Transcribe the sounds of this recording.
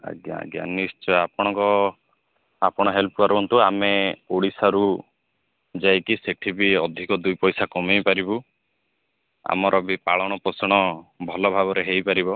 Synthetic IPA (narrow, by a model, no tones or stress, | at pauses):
a̰ɡja̰ɡja̰nisʈɔapɔɽ̃ɔŋkɔ | apɔɽ̃ɔɦelpuaɾɔnt̪uameoɽisaɾu | d͡ʒajkiseʈʰibiɔd̪ʱikɔd̪ujpɔjsakɔmijpaɾibu | a̰mɔɾʔɔbipaɭɔɽ̃ɔpɾɔsɔɽ̃ɔbʱɔlɔbʱaβɔɾeɦejpaɾibɔ